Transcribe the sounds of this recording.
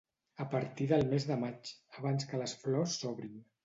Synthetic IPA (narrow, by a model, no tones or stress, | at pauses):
əpəɾt̪iðəlˠmezðəmat͡ʃəβanskələsflɔsːɔβɾin